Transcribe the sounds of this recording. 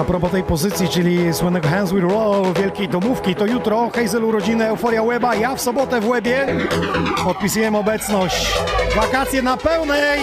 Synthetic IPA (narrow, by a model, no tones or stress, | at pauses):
apɾɔpɔt̪ɛjpɔzɘt̪sʲjit͡ʂɘlʲiswɘnːɛɡɔxanzwit̪ɾɔlvʲjɛlkʲejd̪ɔmufkʲit̪ɔjut̪ɾɔxɛjzɛluɾɔd͡ʑinɨɛwfɔɾjawɛbajafsɔbɔt̪ɛvwɛbʲjɛ | pɔt̪̚pʲisujɛmɔbɛt̪snɔɕt͡ɕvakat̪sʲjɛnapɛwnɛ